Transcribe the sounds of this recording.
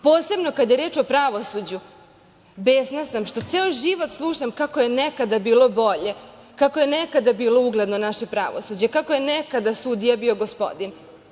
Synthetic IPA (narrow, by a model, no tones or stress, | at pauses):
po̞ːse̞bno̞kad̪je̞ɾe̞ːt͡ʃo̞pɾaʋo̞sud͡ʑu | beːsnasamʃt̪o̞t̪seːojʒiʋo̞t̪slˠuːʃamkakoje̞nekad̪abiːlo̞bo̞ʎe̞ | kako̞jenekad̪abiːlo̞uɡle̞d̪nonaʃepɾa̰ʋo̞̰sud͡ʑekako̞je̞nekad̪asud̪ijabio̞ɡo̞spo̞̰d̪in